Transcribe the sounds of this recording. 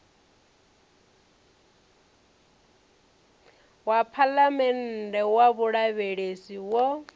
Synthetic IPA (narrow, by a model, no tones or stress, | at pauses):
wapʰalamɛn̩dɛwaβuɺaβeɺesiwɔ